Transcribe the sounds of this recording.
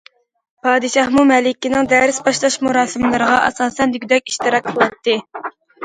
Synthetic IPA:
pʰɑːd̪ɨʃɑhmumɛlɪkʲːinɪŋd̪ɛɾɪsbɑʃlˠɑʃmuɾɑːsɨmlˠɨɾəʁɑʔɛ̰sɑːsɛnd̪yɡʲyd̪ɛkʲi̥ʃt̪ɨɾɑk̪̚qʰəlˠɑt̪ːɨ

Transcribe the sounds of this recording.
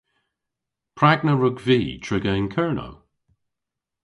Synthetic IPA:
pʰɹaɡnəɹʊɡviːtʰɹ̥ɪɡəɪnkʰɜɹno̰w

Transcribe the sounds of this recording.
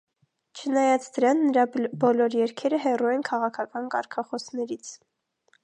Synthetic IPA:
t͡ʃʰənɑjɑt͡sd̪əɾɑnːəɾɑbɔlɔɾjɛɾkʰɛɾəɦɛruɛnkʰɑʁɑkʰɑkɑnkɑɾkʰɑχɔsnɛɾit͡sʰ

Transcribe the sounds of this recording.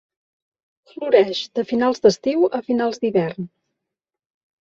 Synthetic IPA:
fluɾɛʒd̪əfinalˠzd̪əst̪iwəfinalˠzd̪iβɛrn

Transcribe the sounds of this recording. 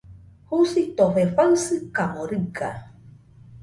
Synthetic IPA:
husit̪ofefaɨsɨkamoɾɨɡa̰

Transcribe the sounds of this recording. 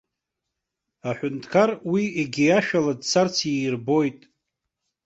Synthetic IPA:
aħʷᶣʊntʰkʰarwieɡʲijaʃᶣaladt͡sʰart͡sʰirbo̞jtʼ

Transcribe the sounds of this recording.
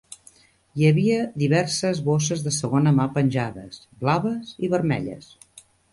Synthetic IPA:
jəβiəðiβɛrsəzβosəzðəsəɣ̞onəmapənʲʒaðə̰s | blaβəziβəɾmɛ̰ʎə̰s

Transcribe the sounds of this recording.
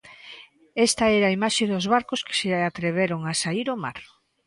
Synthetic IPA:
ɛst̪ɐɛɾaimaʃeðozβaɾkoskɪ̥seat̪ɾeβ̞eɾoŋasaiɾoma̰ɾ

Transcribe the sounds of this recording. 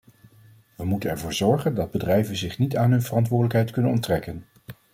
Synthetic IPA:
ʋəmutənɛɹvʊːɹzɔɹχəndɑd̚bədrɛjvənzɪχnitaːnɦɵnvərɑntʋʊːɹdələkɦɛjtkɵnənɔntrɛkən

